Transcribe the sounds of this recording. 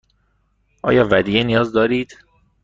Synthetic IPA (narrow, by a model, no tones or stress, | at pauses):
ʔɒ̰ːjɒːvæd̪iːjenijɒːzd̪ɒːɾiːd̪̥